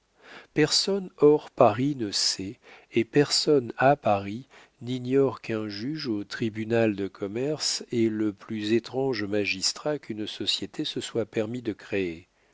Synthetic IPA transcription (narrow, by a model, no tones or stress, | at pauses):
pɛʁsɔnɔʁpaʁinəsɛepɛʁsɔnapaʁi | niɲɔʁkɛ̃ʒyʒot̪χibynald̪əkʰɔmɛʁsɛləplyzet̪χɑ̃ʒmaʒist̪χakynsɔsjet̪ʰesəswapɛʁmid̪əkχee